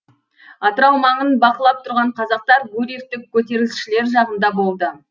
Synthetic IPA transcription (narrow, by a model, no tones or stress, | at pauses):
ɑt̪əɾɑwmɑɴənbɑqəlˠɑp̚t̪ʰʊɾʁɑɴqʰɑzɑq̚t̪ɑɾɡɵɾek̚t̪ɪk̚ʲʰːɵt̪e̞ɾɡʲɪsʃɪle̞ɾʒɑʁənd̪ɑbo̞lˠd̪ə